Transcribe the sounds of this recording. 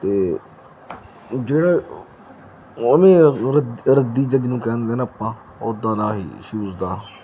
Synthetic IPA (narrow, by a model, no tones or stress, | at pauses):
t̪eː | d͡ʒeːɽaː | əmẽːɾəd̪ɾəd̪iːd͡ʒəɡnũːkɛːnd̪eːnaəpːãː | oːd̪ːãːnaːɦḭːʃuːzd̪aː